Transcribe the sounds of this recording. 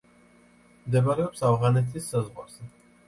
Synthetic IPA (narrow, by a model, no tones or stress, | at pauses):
md̪ɛbaɾɛɔpsavʁanɛt̪ʰisːazʁwa̰ɾz̥ɛ